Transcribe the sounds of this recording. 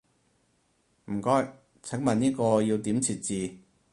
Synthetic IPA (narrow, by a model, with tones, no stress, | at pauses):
m̩˨˩kɔː˥j | t͡sʰɐ˨˥ŋmɐ˨˩niː˥kɔː˧jiː˧wt̪i˨˥mt͡sʰiː˨˩t̚t͡siː˨